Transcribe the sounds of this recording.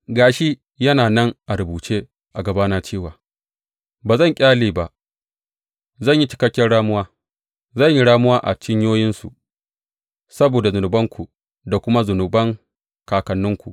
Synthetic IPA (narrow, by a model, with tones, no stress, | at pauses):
ɡaː˨ʃi˦ | jɐ˦naː˨nɐ˦ŋʔa˨ɾʊ˨buː˨t͡ʃeː˦ | ʔa˨ɡɐ˨baː˦naː˨t͡ʃeː˦˨waː˨ | baː˨zɐ˦˨ŋkʲʼaː˦liː˨ba˨ʔ | zɐ˦˨ɲji˦t͡ʃɪ̥˦kɐ˦kʲːɐ˦nɽaː˦mʊ˦waː˦ | zɐ˦˨ɲji˦ɽaː˦mʊ˦waː˦ʔa̰˨t͡ʃɪ˦ɲjoː˦jɪ˦nsṵ˨ | sɐ˦boː˨da˨zʊ˨nʊ˨bɐ˦ŋkʷʰu˨ | da˨kʷʊ˦ma˦zʊ˨nʊ˨bɐ˦ŋ | kaː˨kɐ˨nːʊ˦ŋkʷu˨ʔ